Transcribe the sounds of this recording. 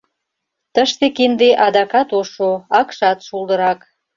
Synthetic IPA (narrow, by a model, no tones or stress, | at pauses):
t̪əʃt̪ekind̪eʔɑd̪ɑkɑt̪oʃoɑkʃɑt̪ʃuld̪əɾɑk